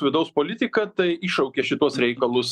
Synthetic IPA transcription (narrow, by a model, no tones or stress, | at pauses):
ʋʲɪd̪ɐʊspoːlʲɪt̪ʲɪkɐt̪ɐɪiːʃɐʊkʲeʃʲɪt̪uɔsɾʲɛɪkɐlˠʊs